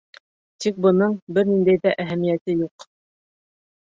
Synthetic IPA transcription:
t̪ik̚bɤ̆nɤɴbɘɾnind̪æjðæʔæɦæmijæt̪ɘjuq

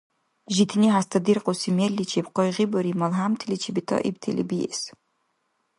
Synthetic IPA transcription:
ʒit̪ʰniɦast̪ʰɐd̪irqosimelːit͡ʃʰepqɔjʁibɔɾimɐlɦaːmt̪ʰilit͡ʃʰibit̪ʰɔ̰ʔḭb̚t̪ʰḛlʔḭbijɛ̰s

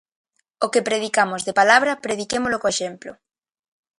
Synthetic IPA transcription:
okepɾeðikamozðepalaβ̞ɾɐpɾeð̞ikemolokoeʃemplo

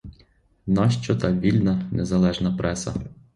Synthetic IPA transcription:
nɑʃt͡ʃɔt̪ɑʋʲilʲnɐnʔezɐlˠɛʒnɐpɾɛsɐ̰

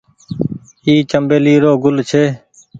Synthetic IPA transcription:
iːt͡ʃəmbeːliːɾoːɡʊlt͡ʃʰeː

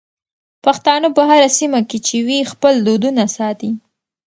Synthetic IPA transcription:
paxt̪ɑnopəɦaɾasimaket͡ʃewixpəld̪od̪unasɑt̪i

